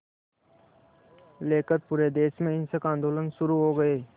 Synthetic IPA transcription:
leːkəɾ̚puːɾed̪eːʃmẽɪnsəkãːnd̪oːlənʃʊɾuɦoːɡɐeː

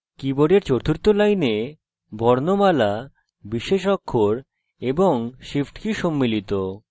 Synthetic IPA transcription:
kiboɖeɾt͡ɕoɾt̪ʰuɾt̪ːolajne | bʱɔɾnomala | biʃeʃɔkʰːoɾ | eboŋʃifʈkiʃomːilit̪o

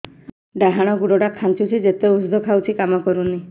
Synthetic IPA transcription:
ɖaɦaɽ̃ɔɡuɽɔɽakʰant͡ʃut͡ʃʰid͡ʒet̪eusd̪ʱɔkʰawt͡ʃʰikamɔkɔɾuni

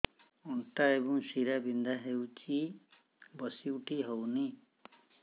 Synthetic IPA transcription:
ɔɳʈaebɔŋsiɾabind̪ʱaɦewt͡ʃʰi | bʌsiwʈʰiɦowni

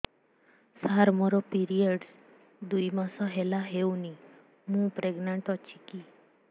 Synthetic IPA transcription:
saɾmɔɾɔpiɾiəɖs | d̪ujmãsɔɦelaɦeuni | mũpɾeɡnəɳʈɔt͡ʃʰiki

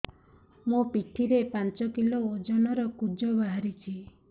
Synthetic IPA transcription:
mũpiʈʰiɾepant͡ʃɔkiloːd͡ʒɔnɔɾɔkud͡ʒɔbaɦaɾit͡ʃʰi

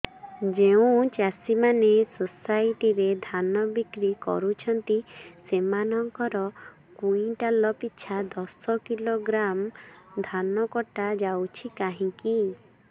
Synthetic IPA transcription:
d͡ʒeũt͡ʃasimanesosajʈiɾed̪ʱanɔbikɾikɔ̰ɾut͡ʃʰɔnt̪isemanɔŋkɔɾɔ | kuĩʈalɔpitːʃʰad̪ɔsɔkiloɡɾamd̪ʱanɔkɔʈad͡ʒawt͡ʃʰikaɦĩki

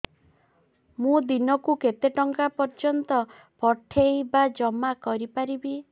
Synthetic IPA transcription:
mũd̪inɔkuket̪eʈɔŋkapɔɾd͡ʒɔnt̪ɔ | pɔʈʰejbad͡ʒɔmakɔɾipaɾibi

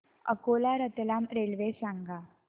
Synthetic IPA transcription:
ɐ̰koːlaɾət̪elaːmɾeːlʋesaŋɡa

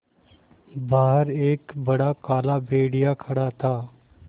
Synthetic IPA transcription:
baːɦəɾeːkbɐɽakaːlabeːɽijakʰɐɽat̪ʰaː

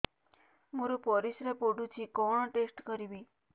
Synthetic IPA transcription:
moɾupɔɾisɾepoɖũt͡ʃʰikɔɳʈesʈkəɾiʋi

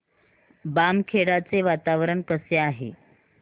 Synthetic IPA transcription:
bamkʰeɽat͡seʋat̪aʋɾəɳkəseaɦḛ

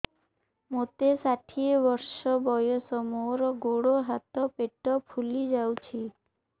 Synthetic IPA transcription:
mot̪esaʈʰiebɔɾʃɔbɔjosɔmoɾɔɡoɽoɦat̪ɔpeʈɔpʰulid͡ʒawt͡ʃʰi

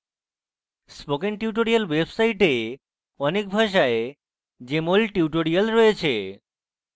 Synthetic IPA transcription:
spokeŋʈiuʈoɾialwebsajʈe | ɔnekbʱaʃ̬ae | d͡ʑemolʈiuʈoɾialɾɔet͡ɕʰḛ

